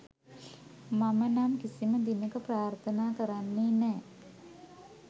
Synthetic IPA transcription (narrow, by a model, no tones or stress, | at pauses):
mamənamkisiməd̪inəkəpraːrt̪ʰənaːkəɾanːeːnɛː